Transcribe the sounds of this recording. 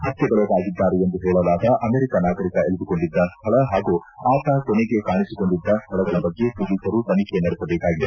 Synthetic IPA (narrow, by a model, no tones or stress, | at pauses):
hɐt̪jɐɡɐɭɐɡaːɡid̪ːaːɾeend̪uɦeːɭɐlaːd̪ɐʔɐmeːɾikɐnaːkɐɾikɐeɭid̪uko̞ɳɖid̪ːɐst̪ʰɐɭɐɦaːɡuaːt̪akoneɡe̞kaːɳisiko̞ɳɖid̪ːɐst̪ʰɐɭɐɡɐɭɐbɐɡːe̞sulisɐɾupɐnikenɐɾisɐbeːkaːɡid̪e